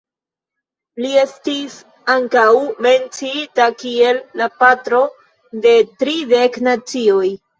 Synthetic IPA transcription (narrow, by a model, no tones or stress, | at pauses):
lie̞stis | aŋkawme̞nt͡siitakie̞lːapatɾo̞ | de̞tɾide̞knat͡sio̞j